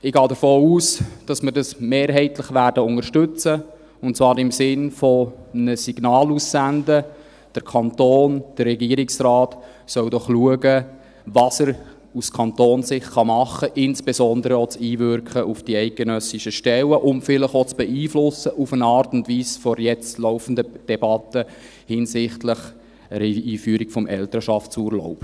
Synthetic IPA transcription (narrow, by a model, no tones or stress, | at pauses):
ɪɡ̥ɑːdəfoːuːsd̥ɑsməɾdɑsmeːɾɦɛɪtləχʋæɾdəʊŋəɾʃtʏt͡sə | ʊntt͡svɑːɾɪmsɪnfɔnəsiɡ̥nɑːlusːændə | d̥əɾkʰɑntoːnd̥ərrɛɡiːɾɪksrɑːt | sœwdɔχluəɡə | vɑsəɾ | uskʰɑntoːnsɪχχɑmɑχːəʔɪnsb̥esɔnd̪əɾəɔt͡siːvʏɾkχəʔufd̥iɛɪt̚ɡ̥enœsiʃəʃtɛləʔʊmfɪləχot͡sb̥ɛiːflʊsːəʔufənɑːɾtʊntvʋiːsfɔɾjɛt͡stlɔʊfən̩dəd̥ɛbɑt̪ə | hɪnsɪχtlɪχ | ɛɾiiːfyːɾikfɔmʔɛltəɾʃɑftsuɾlɔ̰ʊp